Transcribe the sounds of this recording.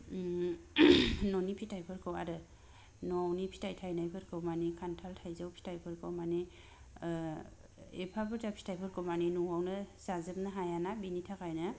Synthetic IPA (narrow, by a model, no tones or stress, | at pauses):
nɔnipʰitʰajpʰɯɾkʰɯwaɾɯ | nɔawnipʰi̥tʰajtʰajnajpʰɯɾkʰɯwmanikʰantʰaltʰajzawpʰi̥tʰajpʰɯɾkʰɯwmani | epʰabɯɾtapʰi̥tʰajpʰɯɾkʰɯwmaninuawnɯsazɯp̚nɯɦajanabinitʰakʰajnɯ